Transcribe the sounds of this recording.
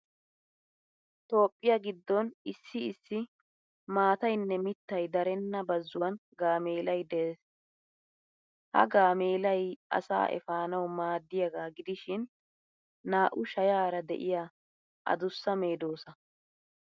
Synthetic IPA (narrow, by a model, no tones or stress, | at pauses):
t̪o̞ːpʼːɪjɐɡɪd̪ːɔnɪsːɪɪsːɪ | maːt̪ɐjnːɛmɪt̪ːɐjd̪ɐɾɛnːɐbɐzːʊwɐnɡaːmeːlɐjd̪es | hɐ̰ɡaːmeːlɐjʔɐ̰sa̰ːʔɛ̰faːnɐwmaːd̪ːɪjɐɡaːɡɪd̪ɪʃɪnː | aːʔʊʃɐjaːɾɐd̪ɛ̰ʔɪjaː | ʔɐ̰d̪ʊsːɐme̞ːd̪o̞ːsɐ